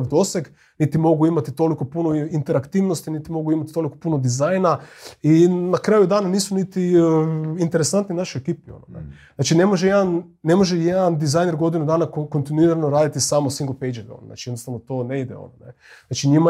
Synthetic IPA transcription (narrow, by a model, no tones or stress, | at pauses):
d̪o̞seɡ | nit̪imo̞ɡuimat̪it̪o̞liko̞punoint̪e̞ɾakt̪iːʋnost̪init̪imo̞ɡuimat̪i̥t̪o̞likopuno̞d̪izajnainakɾaːjud̪aːnaniːsunit̪i | int̪e̞ɾesant̪ninaʃiekiːpio̰noneznat͡ʃine̞mo̞ʒejed̪anːe̞moʒejed̪and̪izaːjneɾɡo̞d̪inud̪aːnakko̞nt̪inuiɾanoɾaːd̪it̪isaːmosiŋɡolpejd͡ʒeʋɛ̰o̰no̰zna̰ːt͡ʃijed̪nost̪aʋnot̪o̞neid̪ḛo̞̰nonḛzat͡ʃiɲima